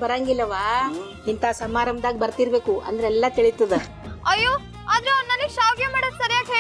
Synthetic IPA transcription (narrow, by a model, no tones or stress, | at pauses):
bɐɾaːŋɡilːɐʋaː | hint̪aːsɐmaːɾɐmd̪aːɡibɐɾt̪iɾbe̞ːkuʔɐ̰nd̪ɐɾeɛlːɐt̪iɭit̪ːɐd̪e | ɐjːoː | aːd̪ɐɾeɐʋnnɐniɡʃaːwɡjɐmaːɽɐsɐɾijaːkɦeː